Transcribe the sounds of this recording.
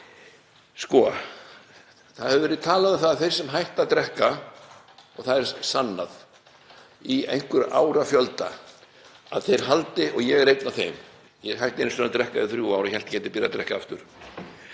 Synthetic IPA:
skɔ | θaðhɛvʏvɛɾɪðt̪ʰaːlaðɪθaðθejɾ̥sɛmɦajht̪aðt̪ɾɛhka | ɔɣθaðɛɾsanːað | iḛjŋ̥kʏɾʔa̰ːwɾafjœlt̪a̰ | a̰ðθejɾ̥ɦalt̪ɪɔɣjɛɣɛɾejt̪naθejm | jɛɦajht̪ejnsɔnat̪ɾɛhkaðɪθɾjuːaːwɾajhɛl̥t̪cɛːt̪ɪpɪɾjat̪ɾɛhkaaft̪ʏɾ̥

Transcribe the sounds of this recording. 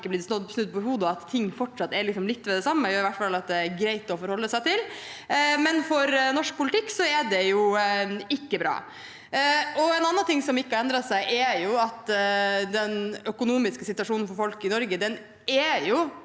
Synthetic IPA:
kːəbliːsnɔd̪snʉd̪̚pɔɪhuːd̪əɔɑt̪ʰːɪŋːfɔʈʂɑt̪ːɛɾlɪksɔmlɪt̪ːʋɛd̪ɛsɑmːəjʊɪʋæʈːfɑlːɑt̪̚d̪ɛæɾɡɾæɪt̪ɔfɔɾhɔlːəsæɪt̪ɪl | mɛnfɔɾnɔʂk̚pʰʊlɪt̪ʰɪkːsɔɛɖɛjʊ | ɪkːəbɾɑ̰ː | ɔɛnɑnːɑnt̪ʰɪŋːsɔmɪkːəɑɛnd̪ɾɑsæɪʔɛjʊɑt̪ːd̪ɛnœkʊnuːmɪskəsɪt̪ʉɑʂuːnn̩fɔɾfɔlkɪnɔɾɡəd̪ɛn | ɛjʊ

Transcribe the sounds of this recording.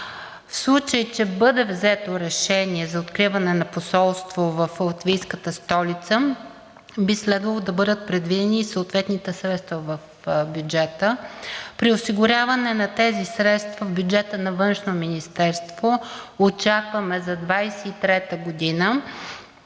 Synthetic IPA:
fslˠut͡ʃəjt͡ʃɛbɤd̪ɛvzɛt̪oɾɛʃɛniɛzɐot̪kɾivɐnɛnɐposɔlˠst̪vovɐflˠt̪vʲijskət̪əst̪ɔlit̪sə | bislɛd̪vɐlˠod̪ɐbɤd̪ət̪̚pɾɛd̪vid̪ɛnisəot̪vɛt̪nit̪ɛsɾɛt̪st̪vɐvɐf | bjud͡ʒɛt̪əpɾiosiɡʊɾʲavɐnɛnɐt̪ɛzisɾɛt̪st̪vɐvbʲjud͡ʒɛt̪ənɐvɤnʃnominist̪ɛɾst̪voot͡ʃakvɐmɛzɐd̪vajsɛit̪ɾɛt̪əɡod̪inə

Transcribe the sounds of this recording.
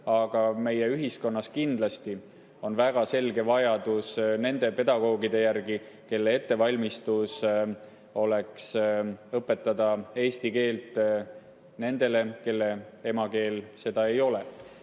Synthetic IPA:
ɑɡ̥ɑme̞jeyɦisko̞nːɑskind̪lɑst̪i | o̞nvæɡ̥ɑse̞lɡ̥e̞vɑjɑd̪̥usne̞nd̪̥e̞pe̞d̪ɑɡ̥o̞ːɡid̪e̞jærɡi | ke̞lːee̞t̪ːe̞vɑlʲmist̪us | o̞le̞ksɤpːˑe̞t̪ːˑɑd̪ɑe̞ːst̪ike̞ːlt̪ˑ | ne̞nd̪̥e̞le̞ke̞lːe̞e̞mɑke̞ːlse̞d̪̥ɑe̞jo̞le

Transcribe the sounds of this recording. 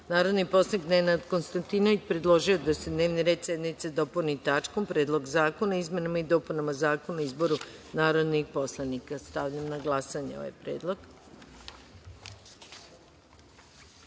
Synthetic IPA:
naːɾo̞d̪nipo̞slanikd̪nenad̪ko̞nst̪ant̪ino̞ʋit͡ɕpɾed̪lˠo̞ʒio̞d̪ase̞d̪ne̞ːʋniɾe̞ːd̪sjed̪nit̪sed̪o̞ponit̪at͡ʃkompɾed̪lˠo̞ɡzaːkonaizme̞namaid̪o̞punamazaːkonaoizbo̞ɾunaːɾo̞d̪nixpo̞slˠanikast̪aʋʎamnaɡlˠasaɲeo̰ʋa̰jpɾḛːd̪lˠo̞ɡ̥

